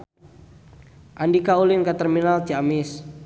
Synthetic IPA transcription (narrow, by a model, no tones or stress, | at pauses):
ʔandikaulɪnkat̪ərminalt̪iamɪs